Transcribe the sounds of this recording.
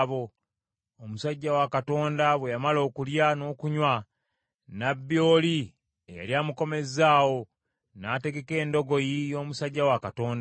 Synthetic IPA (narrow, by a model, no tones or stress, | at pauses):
βo̞ | omusaɟːawakato̞ːndaβwejamalo̞ːkuljano̞ːkuɲwa | nabːjo̞ːli | eja̰ljaːmuko̞me̞zaːwo̞ | nate̞ɡe̞ke̞ːndo̞ɡo̞jijo̞ːmusaɟːawakato̞ːnda